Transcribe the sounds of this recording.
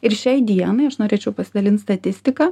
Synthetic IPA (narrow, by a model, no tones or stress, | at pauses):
ɪɾʃʲɛɪd̪ʲiɛnɐɪɐʃnoːɾʲeːt͡ʃʲɛʊpɐsʲɪd̪ɐlʲɪnt̪st̪ɐt̪ʲɪsʲt̪ʲɪkɑː